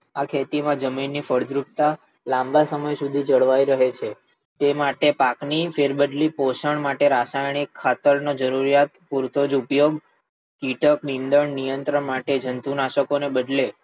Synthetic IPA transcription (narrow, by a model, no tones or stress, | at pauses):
akʰet̪imãd͡ʒəminːifəɽd̪ɾup̚t̪a | lãmbasəməjsud̪ʱid͡ʒəɭʋajɾəɦet͡ʃʰe | t̪emaʈepaknifeɾbəd̪lipoʃəɳmaʈeɾasajɳ̃ikʰːat̪əɾnod͡ʒəɾuɾijat̪puɾt̪od͡ʒupjoɡ | kiʈəkmind̪əɳnijənt̪ɾəɳmaʈed͡ʒʱənt̪unaʃəkonebəd̪le